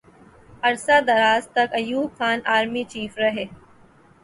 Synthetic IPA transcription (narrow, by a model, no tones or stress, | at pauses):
ɐɾsaːd̪ɐɾaːzt̪ɐkɐjuːbkʰaːnaːɾmiːt͡ʃiːfɾɐɦeː